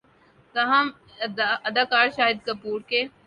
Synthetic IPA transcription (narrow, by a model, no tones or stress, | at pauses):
t̪ɐɦãm | ɐd̪aːkaːɾʃaːɦɪd̪̚kɐpuːɾke